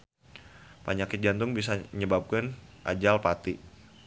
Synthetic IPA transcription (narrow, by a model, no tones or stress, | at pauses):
paɲakɪt̪̚ɡant̪ʊŋbisaɲəbap̚kanʔa̰d͡ʒalpat̪i